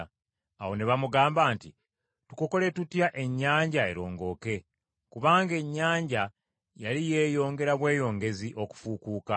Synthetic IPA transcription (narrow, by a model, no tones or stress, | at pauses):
a̰wo̞ne̞βamuɡaːmbaːnti | tukoko̞le̞tutjaʔe̞ɲːaːɲɟae̞ɾo̞ːŋɡo̞ːke̞ | kuβaːŋɡe̞ɲːaːɲɟa | jalije̞ːjo̞ːŋɡe̞ɾaβwe̞ːjo̞ːŋɡe̞ziʔo̞ku̥fukuːka